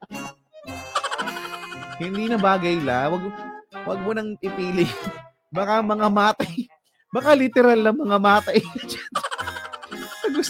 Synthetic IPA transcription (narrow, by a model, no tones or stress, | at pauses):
hɪnd̪inɐbaːɡɐjlawɐɡ̚wɐɡ̚mʊnɐŋɪpiːlɪ | bakamɐŋamaːt̪ɐj | bakalɪt̪ɛɾalnɐŋmɐŋamaːt̪ɐjd͡ʒan | sɐɡʊs